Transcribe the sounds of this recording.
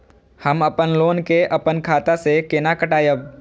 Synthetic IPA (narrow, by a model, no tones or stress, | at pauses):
həmɐpənloːnkeʔɐpənkʰaːt̪asekeːnakəʈaːjəb